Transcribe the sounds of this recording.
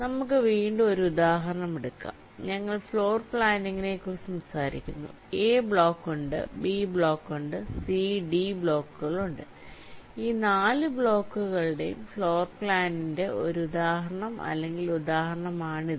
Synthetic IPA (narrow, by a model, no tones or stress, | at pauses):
nɐmuk̬ːɨʋiːɳɖɨo̞ɾuud̪aːɦɐɾɐɳɐmeɽukːa̰ːmɲɐŋːɐɭfɭo̞ːrpɭaːniŋːine̞kːursɐmsaːɾḭkʲːunːṵ | eːbɭo̞ːkːuɳɖɨ̰bibɭo̞ːkːuɳɖɨsiɖibɭo̞ːkːuɣɐɭuɳɖɨ | iːnaːlɨbɭo̞ːkːuɣɐɭɨɽe̞̰jṵmfɭo̞ːrpɭaːninde̞ʔo̞̰ɾuud̪aːɦɾɐɳɐmɐ̰lːe̞ŋɡilud̪aːɦɐɾɐɳɐmaːɳi